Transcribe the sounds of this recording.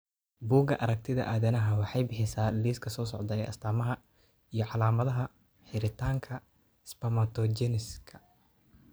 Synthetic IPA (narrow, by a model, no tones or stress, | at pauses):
buːɡɐʔɐɾɐk̚t̪ʰɪðɐ̰ʔaːðɐnɐɦɐwɑħɑjbɪħɪsaːliːskʰɐsɔːsɔʕd̪ɐɛjʔɐ̰st̪ʰaːmɐɦɐ | ijɞʕɑlaːmɐðɐɦɐ | ħɪɾɪt̪ʰaːŋkʰɐ | spɐmɐt̪ʰɔd͡ʒɛnɪskʰɐ̥